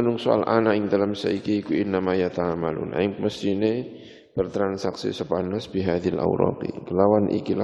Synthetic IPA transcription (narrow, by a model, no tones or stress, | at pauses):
nʊŋsoa̰lʔanaʔɪŋd̪alamsa̰ikiːkuɪnːamajat̪amalṵna̰ɪŋməst̪ine | b̥ərt̪ɾansaksḭsəpanasb̥iɦaðiala̰wɾɔ̰qḭkəlawanʔḭkila